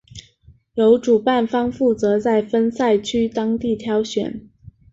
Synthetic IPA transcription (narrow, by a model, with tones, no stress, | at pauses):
jo˧˥ʊʈ͡ʂu˨˩pa˥˩nfɑ˥ŋfu˥˩t͡sɤ˧˥t͡sa˥˩ɪfə˥nsa˥˩ɪt͡ɕʰy˥t̪ɑ˥ŋt̪i˥˩t̪ʰjɑ˧˥ʊɕɥɛ̰˨˩˦n